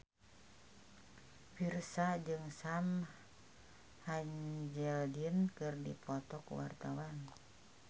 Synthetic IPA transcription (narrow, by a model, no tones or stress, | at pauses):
firsad͡ʒɨŋsam | haɲd͡ʒɛld͡ʒinkɨrdipʰɔt̪ɔkṵwa̰rt̪awan